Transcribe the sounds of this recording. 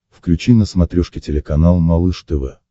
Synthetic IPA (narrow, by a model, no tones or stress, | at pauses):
fklʲʉt͡ɕinəsmɐt̪ɾʲoʂkʲɪtʲɪlʲɪkɐnalˠmɐlˠɨʂt̪ɛvɛ̰